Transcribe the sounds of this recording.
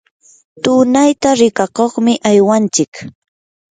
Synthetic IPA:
t̪ʊnajt̪aɾɪkakoχmɪʔajwant͡ʃɪk

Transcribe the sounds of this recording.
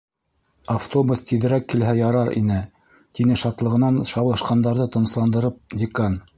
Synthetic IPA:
aft̪obəst̪iðɘ̆ɾækːilɦæjɑɾɑɾḭnɘ | t̪inɘʃɑt̪lˠɤ̆ʁɤ̆nɑnʃɑwlˠɤ̆ʃqɑnd̪ɑɾðɤt̪ɤ̆nɤ̆slˠɑnd̪ɤ̆ɾɤp̚dʲɪkan

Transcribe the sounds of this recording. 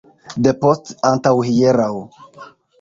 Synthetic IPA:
d̪əpɔstãnt̪awhijeɾaw

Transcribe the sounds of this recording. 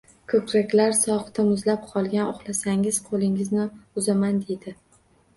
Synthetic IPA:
kʰɵkʰɾakʲlaɾsɒχt̪ʰamʊzlap̚qʰɒlˠɡʲanoχlˠasaŋɪz̥qʰolɪŋɪznɪʊzamand̪e̞d̪ɪ

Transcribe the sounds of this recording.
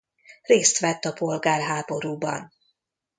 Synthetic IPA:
reːst̪ʋɛt̪ːɒpo̞lɡaːrɦaːbo̞ɾuːbɒ̰n

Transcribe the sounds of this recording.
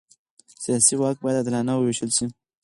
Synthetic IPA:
sijɑsiwɑk̚bɑjad̪ad̪lɑnawəwiʃəlʃi

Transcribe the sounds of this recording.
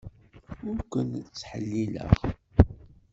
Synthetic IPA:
ʊɾkʷənt͡sːħə̰lːilə̰ʁ

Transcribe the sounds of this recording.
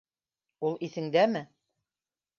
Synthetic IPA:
ulˠiθɘ̆ŋd̪æmɘ

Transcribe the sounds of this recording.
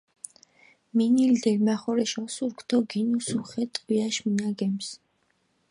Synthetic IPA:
minild̪ɛlmaχɔɾɛʃɔsuɾkʰt̪ʰɔɡinusuχɛt̪ʼwiaʃminaɡɛms

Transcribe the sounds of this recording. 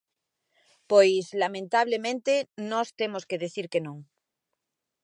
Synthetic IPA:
pojslamẽnt̪aβlemẽnt̪enost̪emoskeðeθiɾkenõŋ

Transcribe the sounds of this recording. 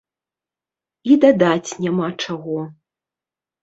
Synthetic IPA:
id̪ad̪at͡sʲnʲamat͡ʂaɣɔ

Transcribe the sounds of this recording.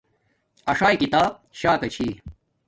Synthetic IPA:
ɐʂaːjkit̪aːb̚ɕaːkɐt͡ɕʰi

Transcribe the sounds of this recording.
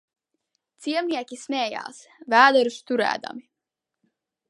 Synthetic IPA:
t̪siɛmnʲiɛkʲismʲeːja̰ːs | væːd̪ɛɾust̪uɾæ̰ːd̪a̰mi

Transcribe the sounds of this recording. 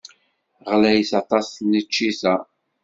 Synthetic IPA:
ʁlæjθɑt̪ˤɑsnət͡ʃːiθæ

